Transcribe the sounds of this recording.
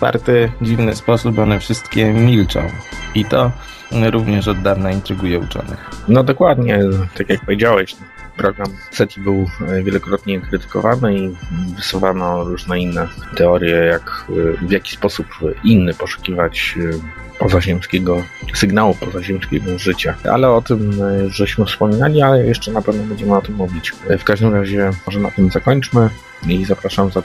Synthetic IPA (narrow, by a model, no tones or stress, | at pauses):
fa̰ɾt̪ɘd͡ʑivnɘspɔsubɔnɛfʂɘst̪kʲɛmʲilt͡ʂɔ̰̃w̃it̪ɔ | ɾuvɲɛʂɔd̪ːavnaint̪ɾɘɡujɛut͡ʂɔ̰nɛ̰xnɔd̪ɔkwad̪ɲɛt̪akʲjak̚pɔvʲjed͡ʑawɛɕ | pɾɔɡɾamsɛt̪ʲibɘwvʲjɛlɔkɾɔt̪ɲɛkɾɘt̪ɘ̥kɔ̰vanɘivɘswuvanɔɾuʐnɛinːɛt̪ɛɔɾʲjɛjakvʲjakʲi̥spɔsupinːɘpɔʂu̥kʲivat͡ɕ | pɔzaʑɛmskʲɛɡɔsɘɡnawupɔzaʑɛmskʲɛɡɔʐɘt͡ɕaʔa̰lɛɔt̪ɘmjʐɕmɘfspɔmʲinalʲialɛjɛʂt͡ʂɛnapɛvnɔbɛɲd͡ʑɛmɘɔt̪ɘmːuvʲit͡ɕfkaʐd̪ɘmɾaʑɛɔʐɛna̰t̪ɘmzakɔɲt͡ʂmɘ | izapɾaʂamza